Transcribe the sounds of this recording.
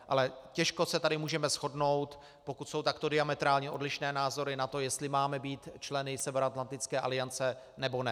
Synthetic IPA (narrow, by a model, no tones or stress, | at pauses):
ʔa̰lɛcɛʃko̞sɛt̪adɪmuːʒɛmɛsxo̞dno̞wt̪ | po̞kut̪so̞wt̪akt̪o̞dɪamɛt̪ɾaːlɲɛʔo̞dlɪʃnɛːnaːzo̞ɾɪnat̪o̞jɛst̪lɪmaːmɛbiːt̪t͡ʃlɛnɪsɛvɛɾoat̪lant̪ɪt͡skɛːʔa̰lɪjant͡sɛ | nɛbo̞nɛ